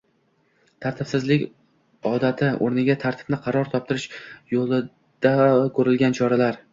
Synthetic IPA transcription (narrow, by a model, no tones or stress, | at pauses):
t̪ʰaɾt̪ʰɪpsɪzlɪkʲ | ɒd̪at̪ʰɪo̰ɾnɪɡʲat̪ʰaɾt̪ʰɪ̥b̥nɪqʰɑɾɒɾt̪ʰɒp̚t̪ɪɾɪʃjolˠɪ | d̪̥akʰɵɾɪlɡʲant͡ʃʰɒɾalaɾ